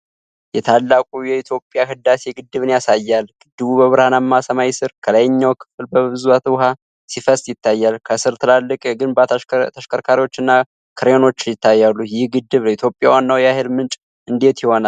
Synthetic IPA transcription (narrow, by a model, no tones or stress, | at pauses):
jɛt̪ʰalːakʼujɛit̪ʰjo̞pʼjaɦɨd̪ːaseɡɨd̪ːɨβɨnjasajːalɡ̥ɨd̪ːɨβubəβɨɾhanamːasəmajsɨɾkʰələjɪɲːawkʰɨ̥fɨlbəβɨzuat̪ʰwɦa | sifəst̪jɪt̪ːajːalkʰəsɨɾt̪ʰɨlalːɨkʼɛɡɨnbat̪ʰt̪ʰəʃkʰəɾkʰaɾiwo̞t͡ʃːɨnːa | kʰɨɾeno̞t͡ʃːɪnjɪt̪ːajːalːujɪhɡɨd̪ːɨβləit̪ʰjo̞pʼjawanːawjahəlmɨnt͡ʃʼ | ʔɨnd̪e̞t̪jiho̞na